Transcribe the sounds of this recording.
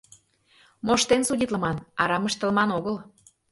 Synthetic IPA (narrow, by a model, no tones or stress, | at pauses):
moʃt̪ensudʲit̪lə̆mɑnɑɾɑməʃt̪ə̆lmɑnoɣəl